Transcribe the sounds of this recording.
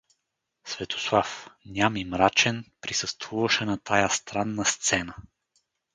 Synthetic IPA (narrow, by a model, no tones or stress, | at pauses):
svɛt̪ʰo̥slˠafnʲamimɾat͡ʃɛnpɾisəst̪vuvəʃɛnɐt̪ʰajast̪ɾanːəst̪sɛnə